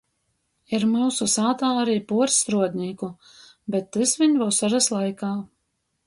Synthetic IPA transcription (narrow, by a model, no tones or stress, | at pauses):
iɾmɨːsusaːt̪aːaɾiːpuɔɾsɾuɔd̪ʲnʲiːku | bɛt̪ːɨsvʲiɲvawsaʒaslˠajkaː